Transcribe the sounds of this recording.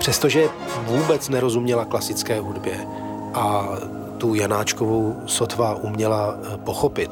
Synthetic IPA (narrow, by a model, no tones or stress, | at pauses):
pr̥ɛst̪oʒɛ | vuːbɛt͡snɛɾo̞zumɲɛlaklasɪt͡skɛːɦudbjɛ | ʔa | t̪ujanaːt͡ʃkovow | sot̪vaʔumɲɛla | po̞xo̞pɪt̪